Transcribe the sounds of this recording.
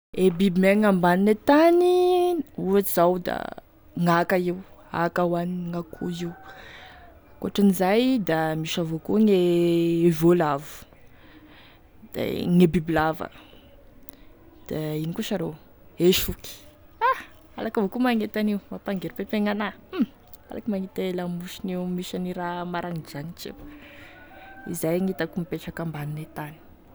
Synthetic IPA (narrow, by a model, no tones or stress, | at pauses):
ebibimeŋambaninet̪ani | uat͡ʃiz̥awd̪a̰ | ŋakaiwa̰kawaniŋakʰuiw | koaʈ͡ʂinizajd̪amiʃavokuŋe | volavu̥ | d̪̥a̰ŋebibilavə̰ | d̪̥ainikuʃaɾo | eʃuki̥a | alakavokumaŋet̪aniumapaŋɡeɾpepeŋana | a̰lakəmaŋet̪elamuʃiniwmiʃaniɾamaɾaŋid͡ʒanit͡ʃḭw | ḭzajŋit̪akumipeʈ͡ʂakambaninet̪ani̥